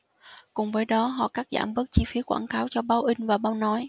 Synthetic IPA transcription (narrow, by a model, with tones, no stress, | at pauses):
kʊ˨˩ŋ͡mvəː˨˦jɗɔ˨˦ɦɔ̰˧˨kaː˦˥k̚za̰ː˧˩mɓə˦˥k̚t͡ɕi˧fi˨˦kwaː˧˩nkaː˨˦wt͡ɕɔ˧ɓaː˧wʔï˧ŋ̟vaː˨˩ɓaː˧wnɔ˨˦j